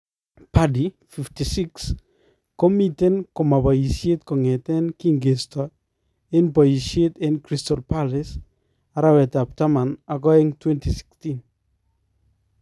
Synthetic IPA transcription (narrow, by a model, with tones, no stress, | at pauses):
padi | fiftisi˦ks | kɔ˦mite˦nkɔ˨ma˨ba˨i˨sje˦t̪̚kɔ˨ŋɛ˨tɛ˦nki˦ŋɡe˨stɔ | e˦npɔ˨jisje˦t̪e˦nkɾistɔlpalɪs | aɾawɛ˨tap̚ta˦mana˨kɔ˦e˦ŋtwɛ˦ntisi̥kstin